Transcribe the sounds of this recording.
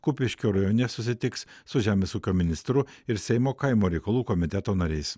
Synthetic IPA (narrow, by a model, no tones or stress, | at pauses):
kʊpʲɪʃʲkʲoːɾɐjonʲɛsʊsʲɪt̪ʲɪkssʊʒʲæːmʲeːsuːkʲoːmʲɪnʲɪst̪ɾʊɪɾsʲɛɪmoːkɐɪmoːɾʲɛɪkɐlˠuːkɔmʲɪt̪ʲɛt̪oːnɐɾʲɛɪs